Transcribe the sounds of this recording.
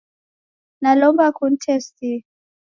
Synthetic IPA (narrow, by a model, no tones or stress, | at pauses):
nalɔmbakun̩tʰɛsti